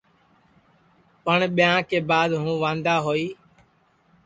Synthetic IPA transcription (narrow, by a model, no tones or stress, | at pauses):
pəɳɓɪjãːkeːbaːd̪ɦũːʋãːnd̪aːɦoːiː